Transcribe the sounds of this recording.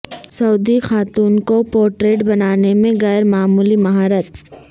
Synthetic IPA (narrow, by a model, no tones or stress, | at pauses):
sɐuːd̪ixaːt̪uːnkopɔːɾʈɾeːʈbɐnaːnemẽɣɛːɾmaːmuːlimɐɦaːɾət̪